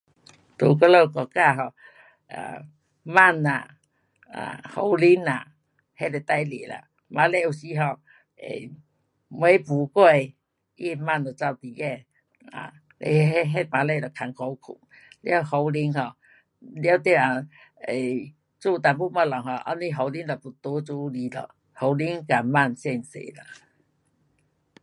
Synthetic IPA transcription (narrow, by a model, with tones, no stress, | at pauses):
t̪u˨k̬ə˧˦lo˧˨kɔ˨˩ka˧˨ɦɔ˧˨ | a̰˨ | ma˥˧˨na̰˨ | a̰˨ho˧˦wli˧˦ŋa̰˨ | he˦˨le˨˩t̪a˧jlḭ˨la̰˨ | ma˧˦le˧˨u˨˩ɕi˧˦ɦɔ˧˨ | ḛ˨ | m˧e˧˦pu˨˦kwe˧˨ | ʔi˦˧ma˧˨nɔ˨˩t͡sa˧wt̪i˨je˥˧˨ | a̰˨ | ḛ˧˦˧ɦe˦mã˨˧le˧˨lɔ˨˩kʰa˨˧ŋkʰɔ˧˦wkʰṵ˨˩ŋ | lja˦ho˧wli˦ŋhɔ˧˨ | ljo˦wt̪je˧˨a˨ | e˨ | t͡su˥˧˨t̪a˨˩bu˦˧ma˧lɔ˨ŋhɔ˧˨ʔa̰˧˦nĩ˦ɦo˨˧wli˦nlɔ˨pu˨˩t̪o˧˦t͡su˧˦li˨˦lɔ̰˨ | ho˨˦wli˦ŋka˨ma˥˧˨nɕɛ˧nsḛ˨la̰˨